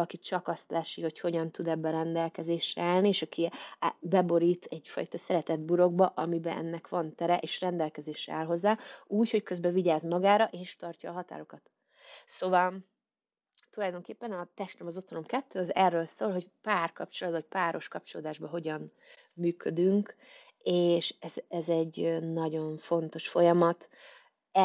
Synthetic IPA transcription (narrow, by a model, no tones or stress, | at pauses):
ɒkit͡ʃɒkɒst̪lɛʃːiho̞cho̞ɟɒnt̪ud̪ɛbːɛɾɛnd̪ɛlkɛzeːʃrɛaːlnieːʃɒkʰibɛbo̞ɾiːt̪ɛɟfɒ̰jt̪ɒsɛɾɛt̪ɛd̪̚buɾo̞ɡ̚bɒʔɒmibɛɛ̰nːɛkʋɒnt̪ɛɾɛʔeːʃrɛnd̪ɛlkɛzeːʃɛ̰aːlɦo̞zːaːuːcho̞ckøzbɛviɟaːzmɒɡaːɾɒʔeːʃt̪ɒrcɒːɦɒt̪a̰ːɾo̞kɒt̪ | soːvɒl | t̪ulɒjd̪o̞ŋkeːpːɛnɒt̪ɛʃt̪ɛmɒzo̞t̪hono̞mkɛt̪ːøːɒzɛrːøːlsoːlɦo̞cpaːrkɒp̚t͡ʃo̞lɒd̪vɒc̚paːɾo̞ʃkɒp̚t͡ʃo̞loːd̪aːʒbɒɦo̞ɟɒn | myːkʰød̪yŋk | eːʃɛzɛzɛɟnɒɟo̞ɱfo̞nt̪o̞ʃfo̞jɒmɒt̪ | ɛ